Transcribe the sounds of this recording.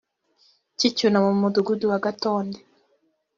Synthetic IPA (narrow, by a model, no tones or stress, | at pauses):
cicunamumuduɡuduwaɡatoːnde